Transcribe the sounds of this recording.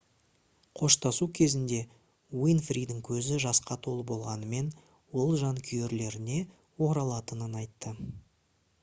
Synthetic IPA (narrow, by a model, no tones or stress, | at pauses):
qʰo̞ʃt̪ɑsukʲʰe̞zɪnd̪e̞ | wijnfɾid̪ɪŋkʲʰɵzɪʒɑsqɑt̪ʰo̞lˠbo̞lˠʁɑnəme̞n | wo̞lˠʒɑŋkʲʰʏje̞ɾle̞ɾɪne̞ | wo̞ɾɑlˠɑt̪ənənɑjt̪ːə